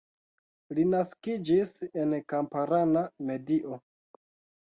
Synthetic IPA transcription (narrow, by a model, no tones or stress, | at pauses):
linaskid͡ʒise̞nkampaɾaname̞diʔo̞